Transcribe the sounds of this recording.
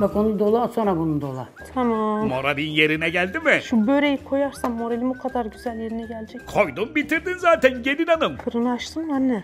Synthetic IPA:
bako̞nud̪o̞lˠuasonɾabunud̪o̞̰lˠa̰t̪ʰamamo̞ɾalʲinje̞ɾinɛɟælʲd̪imɪʃubø̞jlʲejikʰo̞jaɾsamːo̞ɾalʲimukʰad̪aɾɟyzælʲje̞ɾinɛɟælʲd͡ʒɛckʰo̞jd̪umbit̪iɾd̪inzaːt̪ʰænɟe̞d̪inanɯmkʰɯɾɯnɯaʃt̪ʰɯnmanːɛ

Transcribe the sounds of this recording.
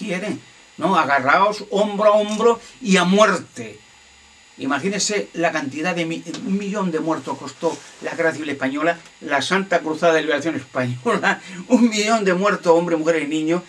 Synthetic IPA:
jeɾeŋ | noaɣaraoso̞mbɾoaombɾoiamwe̞ɾt̪e | ḭmaxinese̞lakant̪iðaðemiuŋmiʎõ̞nd̪emwe̞ɾt̪ohko̞st̪o̞laɣeraθiβile̞hpaɲo̞lalasant̪akɾuθaðaðeliβeɾaθjoŋespaɲolauŋmːiʎõ̞nd̪emwe̞ɾt̪oo̞mbɾeimuxe̞ɾeinĩɲo

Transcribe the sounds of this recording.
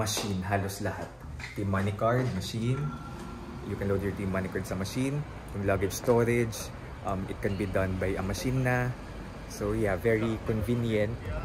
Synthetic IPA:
mɐʃinɦaːloslɐhat̪̚ | t̪imːanɪkaɹd̪̚mɐʃin | jʊkɛnlod̪jɔɹt̪imːanɪkaɹd̪̚sɐmɐʃin | jʊŋlaɡɛd͡ʒst̪oɾɛd͡ʒ | ʔɐmɪ̰t̪̚kɛnbid̪ɐ̃nbɐjɐmɐʃinːɐ | sojavɛɹikɔnvinjɐ̃nt̪̚

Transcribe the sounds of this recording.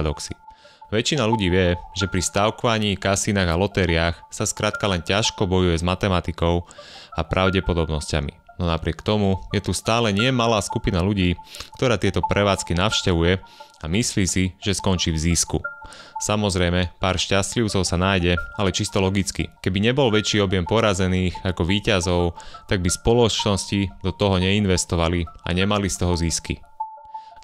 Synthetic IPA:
d̪ɔksḭ | ʋɛt͡ʃinaluɟiːʋɪɛʒɛpɾist̪aʊkɔʋaɲiːkasinaːɣalɔt̪ɛɾiaxsaskɾaːt̪kalɛncaʃkɔbɔjujɛzmat̪ɛmat̪ikɔʊapɾʔaʊɟɛpɔd̪ɔbnɔsca̰mḭ | nɔnapɾɪɛkt̪ɔmujɛt̪ust̪aːlɛɲɪɛmalaːskupinaluɟiːkt̪ɔɾaːt̪ɪɛt̪ɔpɾʔɛʋaːt͡skinaʊʃcɛʋujɛamisliːsiʒ̥ɛskɔnt͡ʃiːvziskṵsamɔzɾɛjmɛpaːɾʃcascliʊt͡sɔʊsanaːjɟɛalɛt͡ʃist̪ɔlɔɡit͡skḭkɛbiɲɛbɔlʋɛt͡ʃiːɔbɪjɛmpɔɾazɛniːxakɔʋiːcazɔʊt̪aɡ̚bispɔlɔt͡ʃnɔscid̪ɔt̪ɔɦɔɲɛinʋɛst̪ɔʋalia̰ɲɛmalist̪ɔɦɔziskḭ

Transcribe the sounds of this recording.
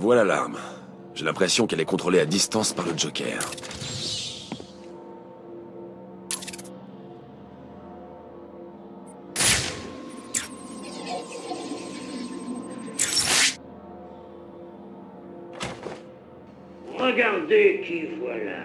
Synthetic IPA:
vwalala̰ʁm | ʒ̥elɛ̃pχesjɔ̃kɛlɛkɔ̃t̪χolead̪ist̪ɑ̃spaʁləd͡ʒɔkʲɛ̰ːʁ | ʁəɡaʁd̪ekivwala̰

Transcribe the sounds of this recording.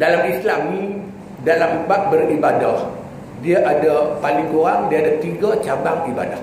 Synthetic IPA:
dalamislamnĩ | dalambaʔ̚bəribadah | diaʔadapalɪŋkoɾaŋdiadat̪iɡat͡ʃabaŋiba̰dah

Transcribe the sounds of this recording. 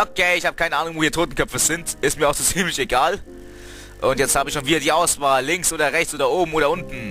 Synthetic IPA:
ʔokʰeːɪçhaːbəkaɪnəʔaːnʊŋvoːhiːɐtʰoːtn̩kʰœpfəz̥ɪntʔɪstmiːɐaʊxz̥oːt͡siːmlɪçeɡaːl | ʔʊntjɛt͡sthaːbəɪçʃoːnviːdɐdiːʔaʊsv̥aːlːɪŋksʔoːdɐʁɛçt͡sʔoːdɐʔoːbm̩oːɾɐʊntn̩

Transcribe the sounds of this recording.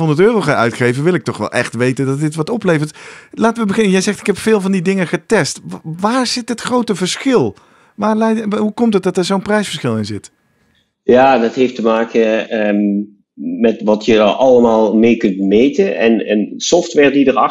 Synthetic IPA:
ɦɔndətøːrowχaœɥtχejvəʋɪlˠɪk̚tɔχʋɛ̰lˠʔɛ̰χtʋejtəndɑt̚dɪtʋɑtɔplejvəɹtlaːtəʋəbəχɪnəjɛjzɛχtɪkɦɛpfɪːlˠvɑndidɪŋəχətɛstʋaːɹz̥ɪtɦətχrowtəvəɹsχɪlˠ | ʋaːɹlɛjɦukɔmtət̚dɑtəɹzownprɛjsfəɹsχɪlˠɪnzɪt | jaːdɑtɦeftəmaːkə | mɛtʋɑtjəʔɑləmaːlˠmeːkɵntmejtənɛ̰nɛ̰nsɔftʋɛːɹdidəɑ

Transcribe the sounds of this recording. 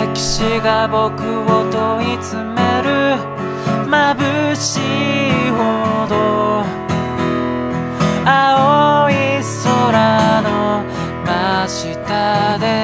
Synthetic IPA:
kʲi̥ɕiɡabo̞kɯ̟ot̪oɲit͡sɨmeɾɯ̟ | mabɯ̟ɕiɦod̪o | aoisoɾano | maɕit̪ad̪e̞

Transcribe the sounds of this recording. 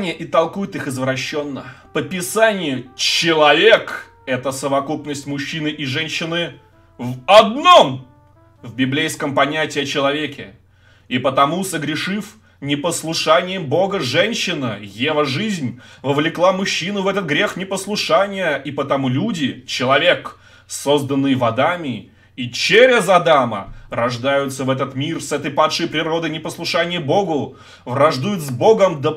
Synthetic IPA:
nʲɪjəʔɪt̪ɐlˠkujɪt̪ɨxɨzvɾɐɕːo̞nːəpəpʲɪsanʲɪjʊt͡ɕɪlˠɐvʲek | ɛt̪əsəvɐkupnəsʲtʲmʊɕːinɨʔɪʐɛnʲɕːɪnɨ | vɐd̪̚no̞m | vbʲɪblʲejskəmpɐnʲætʲɪjɐt͡ɕɪlˠɐvʲekʲɪ̰ | ɪpət̪ɐmusəɡɾʲɪʂɨf | nʲɪpəslˠʊʂanʲɪjəmbo̞ɡəʐɛnʲɕːɪnɨjevəʐɨzʲnʲvəvlʲɪklˠamʊɕːinʊvɛt̪ət̪̚ɡɾʲe̞xnʲɪpəslˠʊʂanʲɪjəʔipət̪ɐmulʲudʲɪt͡ɕɪlˠɐvʲe̞k | sozd̪ənːɨjvɐd̪amʲɪ | it͡ɕeɾʲɪzɐd̪amə̰rɐʐd̪ajʊt̪səvɛt̪̬ət̪mʲirsɛt̪əjpat̪ʂɨjpɾʲɪɾo̞d̪əjnʲɪpəslˠʊʂanʲɪjəbo̞ɡʊ | vrɐʐd̪ujʊt̪zbo̞ɡəmd̪ə

